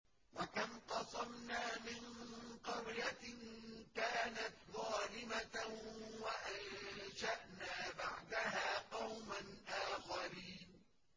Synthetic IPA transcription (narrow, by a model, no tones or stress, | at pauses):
wakamqɑsˤɑmnaːmɪnqɑɾja | kaːnat̪ðˤɑːlɪma | waʔanʃaʔnaːbaʕd̪aɦaːqɑwmanʔaːxaɾiːn